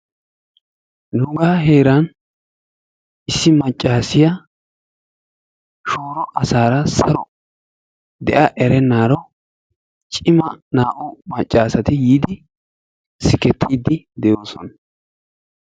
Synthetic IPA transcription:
nʊɡaːɦeːɾɐn | ɪsːɪmɐt͡ʃʼːaːsɪjɐ | ʃoːɾɔʔɐsaːɾɐsɐɾɔ | d̪ɛʔɐʔɛɾɛnːaːɾɔ | t͡ʃʼɪmɐnaːʔɔmɐt͡ʃʼːaːsɐt̪ɪjiːd̪ɪ | sɪkɛt̪ʰːiːd̪ɪd̪ɛjo̞ːsɔ̰nɐ

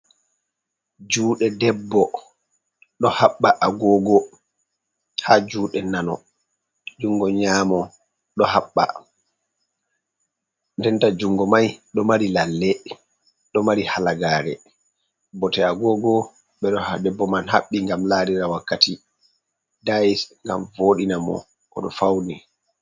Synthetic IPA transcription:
d͡ʒuːɗɛdɛbːɔ | ɗɔhaɓːaʔaɡɔːɡɔ | had͡ʒuːɗɛnanɔ̰ | d͡ʒuŋɡɔɲaːmɔ | ɗɔhaɓːa̰ | ndɛntad͡ʒuŋɡɔmajɗɔmaɾilalːɛ | ɗɔmaɾihalaɡaːɾɛ̰ | bɔtɛaɡɔɡɔ | ɓɛɗɔdɛbːɔmanha̰ɓːiŋɡamlaɾiɾawakːati | daisŋɡa̰mvoːɗinamɔ̰ | kɔ̰ɗɔfawni

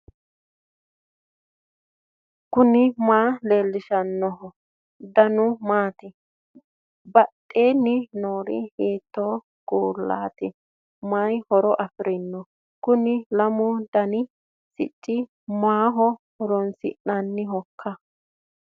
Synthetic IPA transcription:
kʊnɪmaːle̞ːlːɪʃɐnːɔɦɔ | d̪ɐnʊmaːt̪ɪ | bɐtʼːeːnːɪnoːɾɪ̰heːt̪ːoː | ɡ̥uːlːa̰ːt̪ɪ | majhɔɾɔʔɐfɪɾʔɪnːɔ | kʊnɪlɐmʊd̪ɐnɪ | sɪ̰t͡ʃʼːɪ | maːɦɔhɔɾɔnsɪ̰ʔnɐnːɪɦɔkʰːɐ

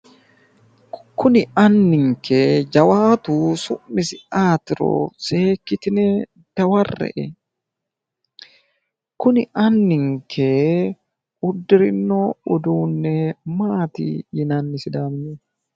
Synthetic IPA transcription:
kʊnɪɐnːɪŋkʰeːd͡ʒɐwaːt̪uːsʊmmːɪsɪaːt̪ɪɾo̰ːseːkːɪt̪ɪnɛ | d̪̥ɐwɐrːɛ̰ʔɛ̰ | kʊnɪʔɐnːɪŋkʰe | ʊd̪ːɪɾɪnːoʊd̪uːnːɛmaːt̪ḭjɪnanːɪsɪd̪aːmɪɲɛ

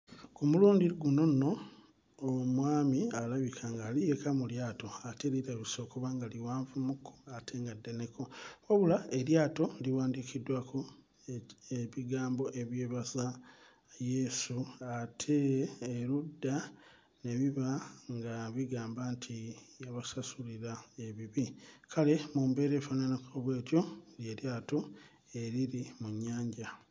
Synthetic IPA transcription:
kumuluːndiɡuno̞no̞ː | mwaːmialaβikʰaŋɡalijekamuljaːto̞ate̞liɾaβiso̞ːkoβaŋɡaliwaːɱvumukʰːo̥atʰe̞ŋɡadːe̞ne̞ko̞woβulae̞ljaːto̞liwaːndikʰidːwakʰo̞ | eβiɡaːmbo̞ʔe̞βje̞ːβaza | je̞ːsuatʰe̞ːɾudːa | ne̞βiβaŋɡaβiɡaːmbantʰijaβasasuliɾae̞βiβikʰale̞mumbe̞ːɾe̞ːfananakoβwe̞ːtjo̞lje̞ːɾjaːto̞ | e̞ɾiɾimuɲːaːɲɟa

